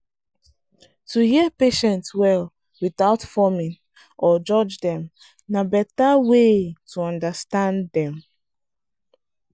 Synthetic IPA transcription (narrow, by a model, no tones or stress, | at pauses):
tuhiəpeʃɛ̃ntswɛl | wiθaʊtfɔmĩn | ʔɔd͡ʒɔd͡ʒdɛ̃m | nabɛtawetuɔ̃ndastãndɛ̃m